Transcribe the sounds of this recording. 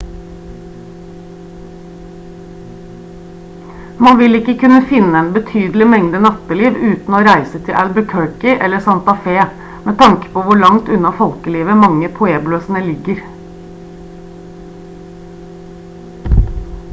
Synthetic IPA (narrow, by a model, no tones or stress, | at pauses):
mɑnʋɪlɪkːəkʰʉnəfɪnːəeːnbət̪ʰyːd̪l̩ɪmɛŋd̪ənɑt̪əliːʋʉːt̪n̩oːɾæɪsət̪ʰɪʔælbəkʰøːkɪʔɛlːəsɑnt̪ɑfeː | meːt̪ʰɑŋkə̥poːʋʊɭɑŋt̪ʉnɑfɔlkəliːʋəmɑŋəpʰʊeːbløːsn̩əlɪɡəɾ